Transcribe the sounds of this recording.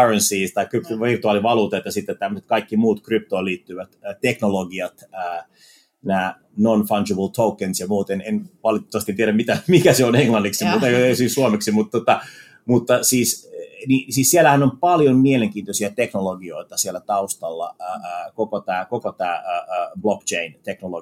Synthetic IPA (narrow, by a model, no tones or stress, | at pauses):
ɑrensiːst̪ɑikrypʋirt̪uɑːliʋɑluːt̪ɑet̪jɑsit̪ːet̪t̪æmːøset̪̚kɑikːimuːt̪kryp̚t̪oiliːt̪ːyʋæt̪ːt̪eknoloɡiɑt̪əː | næː | nonfɑnd͡ʒebəlt̪ʰoukensjɑmuːt̪enenʋɑlitt̪ːoʋɑst̪ient̪ieɾæmit̪æmikæseoneŋlɑnːiksimut̪eosissuomeksimut̪t̪ːot̪ɑ | mut̪ːɑsiːsnisiːssielæhænompɑljommieleŋkiːnt̪osiæt̪eknoloɡioit̪ɑsielæt̪ɑust̪ɑlːɑ̰əːəːkokot̪æːkokot̪æːəəːblokt͡ʃeint̪eknolo